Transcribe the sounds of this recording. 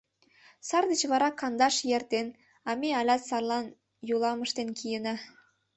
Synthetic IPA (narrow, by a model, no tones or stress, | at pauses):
sɑrd̪ət͡ɕβɑɾɑkɑnd̪ɑʃjert̪en | ɑmeɑlʲɑt̪sɑrlɑn | julˠɑməʃt̪enkijənɑ